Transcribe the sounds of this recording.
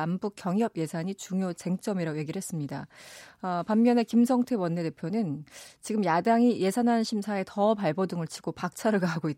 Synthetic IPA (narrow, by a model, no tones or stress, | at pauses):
ambuk͈jʌŋjʌbje̞sʰaɲit͡ɕuŋjot͡ɕe̞ŋt͡ɕ͈ʌmiɾaɡoje̞ɡiɾɭɦe̞s͈ɯmɲidaʌpamːjʌne̞kimsʰʌŋtʰe̞wʌnːe̞te̞pʰjonɯnt͡ɕiɡɯmjadaŋije̞sʰanɦanɕʰimsʰae̞tʌpaɭbʌdɯŋɯɭt͡ɕʰi̥ɡ̥opak̚t͡ɕʰaɾɯɭɡaɦaɡoit